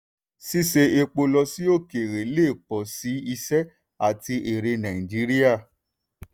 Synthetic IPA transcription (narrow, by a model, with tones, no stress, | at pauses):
si˦se˧e˧k͡po˧lɔ˧si˦o˦˨ke˨ɾe˨˦le˦˨k͡pɔ˨si˨˦i˧sɛ˦ | a˨ti˧ʔe˨ɾe˧nã˨ĩ˨d͡ʒi˨˦ɾi˦ja˦˨